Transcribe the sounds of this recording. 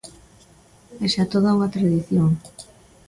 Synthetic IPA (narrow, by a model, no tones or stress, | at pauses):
eʃat̪oð̞auŋat̪ɾaðiθjoŋ